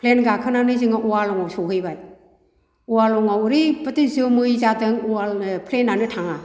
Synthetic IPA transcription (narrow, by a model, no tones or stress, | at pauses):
pʰlenɡakʰɯnanɯzɯŋaʔualɔŋawsɔɦɯjbaj | uwalɔŋawɾipɯtizɯmɯjzadɯŋuapʰlenanɯtʰaŋa